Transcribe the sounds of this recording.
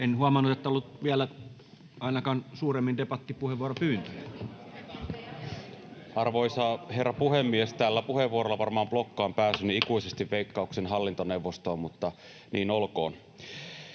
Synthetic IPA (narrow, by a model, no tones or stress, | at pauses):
enhuɑmɑnːut̪et̪ːæolːut̪ʋiælæ | ɑˑinɑkɑːnsuːremːind̪epɑt̪ːipuheʋʋuoropyːnt̪øjæ | ɑrʋoisɑːherːɑpuhemːiest̪æːlːæpuheʋːuoɾolːɑʋɑrmɑːmblokːɑːmpæːsynyikuisest̪iʋʋeikːɑuksenɦɑlːint̪oneuʋːost̪oːmmut̪ːɑ | niːnolko̰ːn